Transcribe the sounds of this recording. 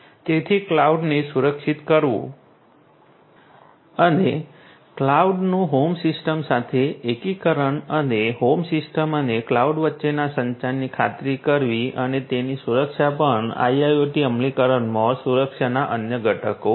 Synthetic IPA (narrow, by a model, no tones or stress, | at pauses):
t̪et̪ʰiklauɖnesuɾəkʃit̪kəɾʋṵ̃ | əne | klauɖnũɦomsɪsʈəmsat̪ʰeːkikəɾəɳəneɦomsɪsʈəməneklauɖʋətːʃenasəɲt͡ʃanːikʰat̪ɾikəɾʋiənet̪enisuɾəkʃapəɳa̰jajoʈiəmlikəɾəɳmãsuɾəkʃanaʔənjəɡʱəʈʰəko